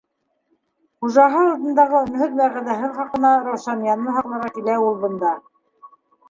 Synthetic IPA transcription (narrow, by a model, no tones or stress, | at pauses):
χuʒɑɦɤɑlˠd̪ɤ̆nd̪ɑʁɤɵ̆nhɵðmæʁæðæɦɘɴχɑqɤ̆nɑɾɑwʃɑnjɑnːɤɦɑqlˠɑ̆ɾʁɑkilæulˠbɤ̆nd̪ɑ